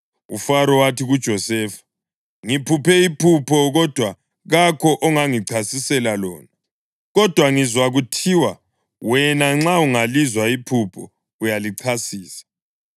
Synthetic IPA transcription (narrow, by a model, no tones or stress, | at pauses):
ṵfaɾɔwatʰiɣud̥ʒ̥ʱɔsɛːfḁ | ŋipʰupʰɛipʰupʰɔɣɔd̥ʱwa | ɣakʰɔʔɔŋaŋiǀʰasisɛlalɔ̰ːna | ɣɔd̥ʱwaŋizwaɣutʰiwa | wɛnaŋ͡ǁauŋalizwaipʰupʰɔ̰ | ujaliǀʰasiːsḁ